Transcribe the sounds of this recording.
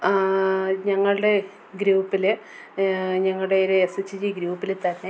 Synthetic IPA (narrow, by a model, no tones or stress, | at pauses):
ɲɐŋːɐɭɨɽe̞ | ɡɾuːpːil | ɲɐŋːɐɭɽe̞oɾuːset͡ɕːid͡ʑiɡɾuːpːilt̪ɐnːe